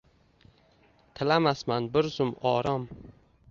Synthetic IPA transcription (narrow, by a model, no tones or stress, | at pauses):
t̪ʰɪlamasmanbɪɾzʊmɒːɾɒm